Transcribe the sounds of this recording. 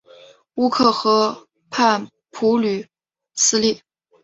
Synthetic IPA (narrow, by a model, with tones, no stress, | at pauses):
u˥kʰɤ˥˩xɤ˧˥ | pʰa˥˩n | pʰu˧˥ly˨˩ | sɹ̩˥li˥˩